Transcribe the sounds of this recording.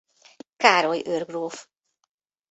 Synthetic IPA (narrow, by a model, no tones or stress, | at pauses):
kaːɾojørɡroːf